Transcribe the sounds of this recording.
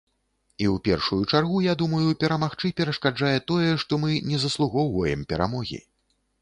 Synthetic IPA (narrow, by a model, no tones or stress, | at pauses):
iwpʲɛrʂujut͡ʂarɣujad̪umɐjupʲɛɾamaxt͡ʂɨpʲɛɾɐʂkad͡ʐajɛt̪ɔjɛʂt̪ɔmɨnʲɛzɐslˠuɣɔwvɐjɛmpʲɛɾa̰mɔɣʲḭ